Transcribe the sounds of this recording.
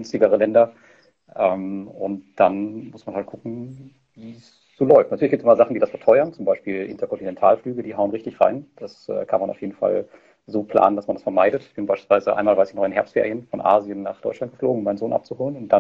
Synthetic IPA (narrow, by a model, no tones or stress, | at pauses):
ʏnstɪɡəʁəlɛndɐ | ʔɛːmʊ̰ntd̥anmʊsmanhalt̚kʰʊkŋ̩ | viːs | z̥oːlɔʏftnatʰyɐlçɡ̥iptsʔɪmɐzaχn̩diːdasfɛɐtʰɔʏɐnt͡sʊmbaɪʃpiːlʔɪ̰ntɐkʰɔntinɛntʰaːlflyːɡədiːɦaʊənʁɪçtɪçʁa̰ɪnd̥asʔɛ̰ːkʰanmanʔa̰ʊfjeːdn̩fa̰l | zoːpʰl̥a̰ːnəndasmandasfɛɐmaɪdətɪçb̥ɪnbaɪʃpilsv̥aɪzəʔa̰ɪnmalvaɪsinɔʏənɦɛɐstfḛːʁijənfɔnʔa̰ːzjənːaːχd̥ɔ̰ʏt͡ʃʃlantɡə̥floːɡŋ̩ʊmːaɪnzoːnʔap̚t͡suhoːlənʊnt̚d̥a